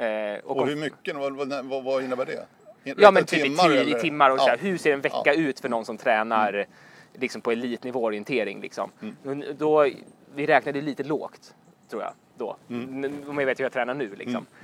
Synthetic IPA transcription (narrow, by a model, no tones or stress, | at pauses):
ɔkkɔhɵmʏkːənvvaɪnːəbæɖɛ̰ | jɑːmɛnt̪ʰyːpɪɪt̪ʰɪmːaɾɔksæːɾɦɵʂeːɖɛnvɛkːaʉ̟ːt̪fœɳɔnsɔmt̪ʰɾɛːnaɾ | lɪksɔmpʰɔɛliːt̪nɪvoːɔɾɪɛnt̪ʰeːɾɪ̰ŋlɪ̰ksɔ̰md̪ɔvɪɾɛːknad̪əjliːt̪əlo̰ːkt̪ʰː | ɾuːja̰ | d̪ɔ̰ːɛɔmjaveːt̪jhjat̪ʰɾɛːnaɳʉ̟ːlɪ̰ksɔ̰m